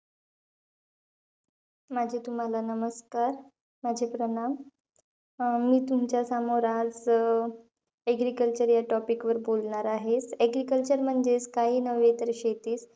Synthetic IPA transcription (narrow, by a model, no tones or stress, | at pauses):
mad͡ʑʱet̪um̤alanəməskaɾ | mad͡ʑʱepɾəɳam | iːt̪umt͡ɕjasamoɾãt͡s | ɛɡɾikəlt͡ɕəɾjaʈɔpikʋəɾbolɳaɾaɦet͡seɡɾikəlt͡ɕəɾm̤əɳd͡zeskaɦiːnəʋet̪əɾɕet̪iːs